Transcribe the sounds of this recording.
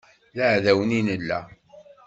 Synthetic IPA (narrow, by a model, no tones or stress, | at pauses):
ləʕðæwəninəlːæ̰